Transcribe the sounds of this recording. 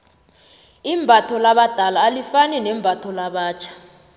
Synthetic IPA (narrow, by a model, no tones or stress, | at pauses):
imbʱatʰɔlaɓad̥ʱalaːlifanɛnɛmbʱatʰɔlaɓaːt͡ʃʰḁ